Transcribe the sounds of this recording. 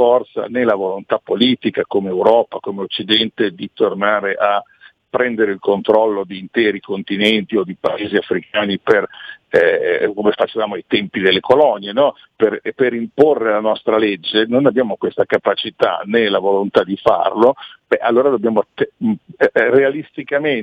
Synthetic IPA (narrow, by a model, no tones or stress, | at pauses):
fɔrt̪sa̰nelavolont̪apːoliːt̪ikakomeːwɾɔːpakomeot͡ʃːid̪ɛnt̪ed̪it̪ornaːɾeʔa | pːɾɛnd̪eɾeilkont̪ɾɔlːod̪iːnt̪ɛːɾikont̪inɛnt̪iod̪ipa̰eːziafɾikʰaːniper | komefat͡ʃevaːmoajt̪ɛmpid̪elːekolɔnjenɔ | perpeɾimporːelanɔst̪ɾaled͡ʒːenonabjaːmokwest̪akapat͡ʃit̪a̰nelavolont̪ad̪ifa̰rlobɛʔalːoːɾad̪obːjaːmoat̪ːe | realist̪ikamen